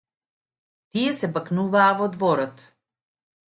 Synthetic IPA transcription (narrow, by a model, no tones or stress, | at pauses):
t̪ijɛsɛbaknuvaːvɔd̪vɔɾɔt̪